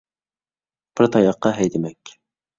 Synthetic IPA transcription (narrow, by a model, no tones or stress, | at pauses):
b̥ɪɾt̪ʰɑjɑqːɑɦɛjd̪ɪmɛkʲ